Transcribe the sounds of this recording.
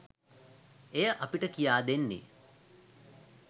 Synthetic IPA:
ejəʔapiʈəkijaːd̪enːḭ

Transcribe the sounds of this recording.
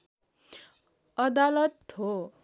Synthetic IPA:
ʌd̪alʌt̪ho

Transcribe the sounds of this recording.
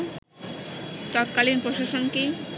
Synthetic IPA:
t̪ɔt̪̚kalinpɾoʃaʃonke

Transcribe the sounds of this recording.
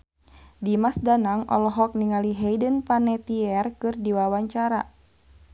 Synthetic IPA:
dimasdanaŋʔɔ̰lɔɦɔk̚niŋaliɦɛjdənpanɛt̪iɛrkɨrdiwawaɲt͡ʃaɾa

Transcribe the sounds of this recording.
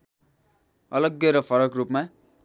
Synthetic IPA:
ʌlʌɡjʌɾʌpʰʌɾʌkrupma

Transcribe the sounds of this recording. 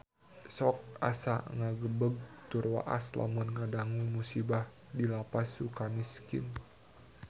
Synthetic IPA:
sɔk̚a̰sa̰ŋaɡəbəɡ̚t̪ʊrwa̰ʔa̰sla̰munŋadaŋumusibah | dilapasukamiskɪ̰n

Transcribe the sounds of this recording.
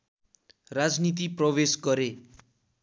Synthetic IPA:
rad͡znit̪̬iprʌbesɡʌɾe

